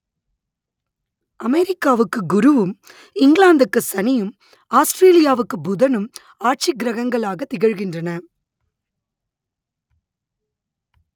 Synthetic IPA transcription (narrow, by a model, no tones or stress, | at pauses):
ʔɐmɛɾɪkːaːʋɯkːɯɡʊɾɯʋɯm | ɪŋɡlaːnd̪ɯkːɯsɐnɪjɯm | aːsʈɾeːlɪjaːʋɯkːɯbʊðɐnɯm | aːʈ̚t͡ʃiɡɾɐɣɐŋɡɐɭaːɣɐt̪ːɪɣɐɻɣɪndrɐnɐ